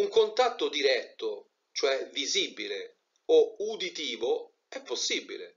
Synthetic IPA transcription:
uŋkont̪at̪ːod̪iɾɛt̪ːo | t͡ʃoɛviziːbːile | oud̪it̪iːvo | ɛpːosːibːḭlḛ

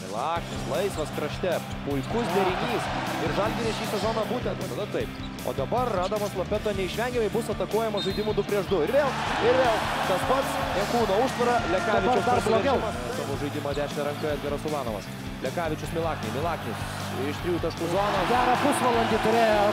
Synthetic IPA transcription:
mʲɪlˠɑːknʲɪslˠɐɪsʋɐskɾɐʃʲt̪ʲɛ | pʊɪkʊsd̪ʲɛɾʲɪnʲiːsɪɾʒɐlʲɡʲɪɾʲɪʃʲiːsʲɛzoːnɐbuːt̪ʲɛnt̪ɐt̪ɐd̪ɐt̪ɐɪp | o̰ːd̪ɐbɐrːɑːd̪ɐmɐslˠɐpʲɛt̪oːnʲɛɪʃʲʋʲɛŋʲɡʲɪmɐɪbʊsɐt̪ɐkuɔjɛmɐʒɐɪd̪ʲɪmʊd̪ʊpʲɾʲiɛʃd̪ʊɪɾʋʲeːlˠɪɾʋʲeːlˠkɐspɐt̪sɛŋkuːnoːʊʃt̪ʋɐɾɐlʲɛkɑːʋʲɪɐɾt͡ʃsd̪blˠoɾɡʲɪmɐ | t̪omʊʒɐɪdʲɪmɐːd̪ʲæːʃʲnʲɛɾɐŋkɐɛd̪ʲɡʲɛɾɐsʊlɑːno̰mɐ̰s | lʲɛkɑːʋʲɪt͡ʃʲʊsmʲɪlˠɑːknʲɛmʲɪlˠɑːknʲɪs | ɪʃt̪ʲɾʲijuːt̪ɐʃkʊzoːnɐɡʲæːɾɐpʊsʋɐlˠɐnʲd̪ʲɪt̪ʊɾʲeːjɛ

